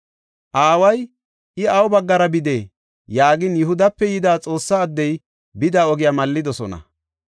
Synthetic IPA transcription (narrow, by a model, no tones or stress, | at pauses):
ʔaːwɐj | ʔɪɐwʊbɐɡːɐɾɐbɪd̪eː | jaːɡɪnjʊɦʊd̪ɐpːɛjɪd̪aːt͡sʼo̞ːsːaːd̪ːɛj | bɪd̪aːɔɡɪjamɐlːɪd̪ɔsɔnɐ̰